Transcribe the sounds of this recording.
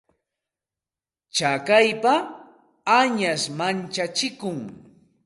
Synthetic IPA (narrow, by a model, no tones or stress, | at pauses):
t͡ʃakajpa | aɲasmant͡ʃat͡ʃɪkʊŋ